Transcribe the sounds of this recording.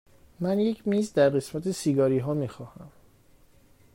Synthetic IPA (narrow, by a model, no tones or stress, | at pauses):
mænje̞cʰmiːzd̪æɾɢe̞smæt̪ʰe̞siɡɒːɾiːɦɒːmiːxɒːhæm